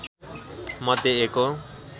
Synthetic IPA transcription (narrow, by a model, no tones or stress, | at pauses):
mat̪eeko